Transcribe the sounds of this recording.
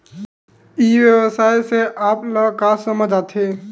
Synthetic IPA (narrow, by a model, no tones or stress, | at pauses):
iʋjəwəsajseʔapləkasəməd͡ʒat̪ʰe